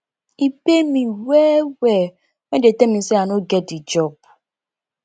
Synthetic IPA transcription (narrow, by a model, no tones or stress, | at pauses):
ipemĩwɛːwɛ | medetemĩseanoɡɛdid͡ʒɔb̚